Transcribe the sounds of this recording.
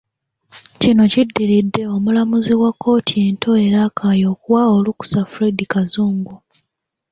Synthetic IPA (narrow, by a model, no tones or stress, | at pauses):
cino̞cidːiɾidːe̞o̞mulamuziwakːo̞ːtʰie̞ntʰo̞e̞ɾakaːjo̞ːkuwaoluku̥safuɾedikazuːŋɡu